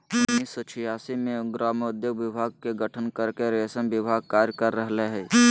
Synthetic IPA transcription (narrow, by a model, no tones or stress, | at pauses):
ʊnniːsɔt͡ʃʰɪjaːsimẽɡɾaːmʊd̪joɡʋɪbʱaːɡ̚keɡəʈʰənkəɾkeɾesənʋɪbʱaːɡ̚kaːɾjkəɾːəɦleɦɛː